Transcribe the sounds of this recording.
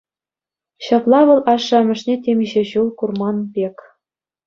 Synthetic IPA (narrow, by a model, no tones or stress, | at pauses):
ɕɑplˠɑʋɤ̆lˠɑʂːɑmʲɘ̆ʂnʲetʲemʲiʑĕʑulˠkurmɑnbʲekʲ